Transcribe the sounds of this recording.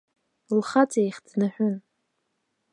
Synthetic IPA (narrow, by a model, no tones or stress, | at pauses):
lχat͡sʼejχʲdnɨħʷᶣʊn